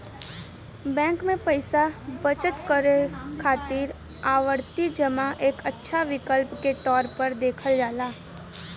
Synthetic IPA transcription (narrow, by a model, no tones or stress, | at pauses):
bɛ̃ːŋkmẽpəɪsabət͡ʃət̪kəɾekʰaːt̪iːɾ | aːʋəɾt̪id͡ʒəmaʔeːkətːʃʰaʋɪkəlpket̪ɔːɾpəɾd̪eːkʰəld͡ʒaːlaː